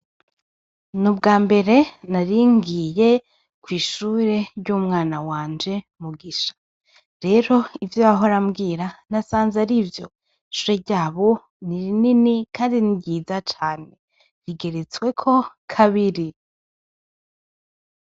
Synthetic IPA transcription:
nubɡaːmbe̞ɾe̞naɾiŋɡije̞ | kwiːʃuːɾe̞ɾɟumŋaːnawaːnd͡ʒe̞ | muɡiʃḁ | ɾe̞ɾo̞ivjoaɦo̞ɾamɡiːɾanasaːnzaɾivjo̞̰ | ʃuːɾeɾɟaːβo | niɾininikʰaːndiniɾɟiːzat͡ʃaːne̞ | ɾiɡe̞ɾet͡swe̞kʰo̞ | kʰaβiɾi

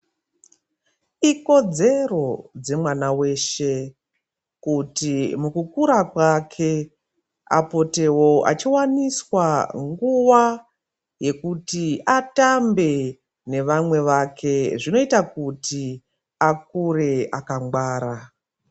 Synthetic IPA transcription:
iko̞d͡ze̞ro̞d͡ze̞mwanawe̞ːʃe̞ | kutimukukuɾakwakʰe̞ | a̰po̞te̞wo̞a̰t͡ʃiwaniswaŋɡuwa | je̞kutiatambe̞ | ne̞ʋamwe̞ʋakʰe̞ʐino̞itakuti | ak̚uɾe̞akaŋɡwaːɾa

